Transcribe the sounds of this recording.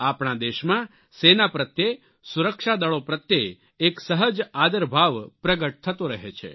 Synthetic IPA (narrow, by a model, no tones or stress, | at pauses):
apɳ̃ad̪eʃmã | senapɾət̪je | suɾəkʃad̪əɭopɾət̪je | eksəɦəd͡ʒad̪əɾbʱaʋpɾəɡəʈ̚t̪ʰət̪oɾəɦet͡ʃʰḛ